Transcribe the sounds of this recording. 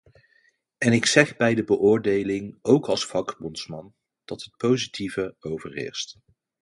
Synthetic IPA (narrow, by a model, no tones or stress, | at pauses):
ɛnɪksɛχbɛjdəbəʔʊːɹdejlɪŋowkɑlˠsfɑɡbɔnsmɑn | d̥ɑtɦət̚powzitʰivəowvəɹɪ̰ːɹst